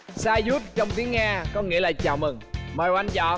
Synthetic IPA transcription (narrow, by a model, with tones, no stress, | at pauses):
saː˧zu˦˥t̚t͡ɕɔ˧wŋ͡mt̪i˨˦əŋaː˧kɔ˨˦ŋḭ˧˥əlaː˨˩t͡ɕa̰ː˧˨wmɨ˨˩ŋməː˨˩jwa˧nzɔ̰˧˩˨